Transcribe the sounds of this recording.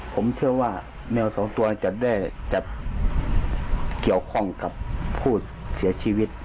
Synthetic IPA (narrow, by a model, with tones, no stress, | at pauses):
pʰo˩˦mt̪ʰɯ˥˩ɐwaː˧˩ | nɛː˧˩˨wsɔː˨˦ŋt̪u˧ɐn˧t͡ɕa˧˩da˥˩jt͡ɕa˧˩t̪̚ | ki˨˩əwkʰɔ˧˥˩ŋka˧˦pʰːuː˧˩ | si˨˩˦ɐt͡ɕʰiː˧wi˧˩t̪̚